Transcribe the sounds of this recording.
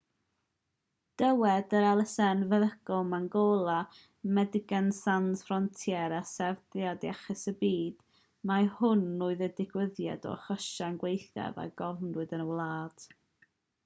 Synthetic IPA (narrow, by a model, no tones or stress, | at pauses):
d̥əwɛdəɾɛlˠəsɛnvəðəɡ̥ɔmanɡoːlˠa | mɛdɪɡansanz̥frɔntʰjɛɾasɛvdjadiaχɪsəbiːd̥ | mahʊnːuɨðədɪɡwəðja̰dɔ̰χəʃanɡwejθa̰va̰ɡɔvnrʊɨdənəwlˠaːd̥